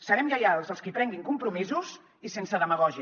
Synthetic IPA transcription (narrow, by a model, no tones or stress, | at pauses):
səɾɛmʎajalˠzəlˠskipɾɛŋɡiŋkumpɾumizuz | isensəðəməɣɔʒi